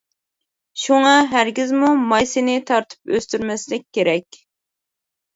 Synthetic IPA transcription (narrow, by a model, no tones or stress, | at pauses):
ʃuŋɑɦæɾɡʲizmumɑjsɪnɪt̪ʰɑɾt̪ʰɨ̥pøst̪yɾmɛslɪkʲkʲːeɾɛkʲ